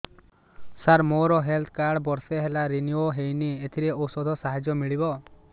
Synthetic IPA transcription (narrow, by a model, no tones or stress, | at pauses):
saɾmoɾɔɦelt̪ʰkaɽbɔɾseɦelaɾinioɦejniet̪ʰiɾeowsɔd̪ʱɔsaɦad͡ʒɔmiɭibɔ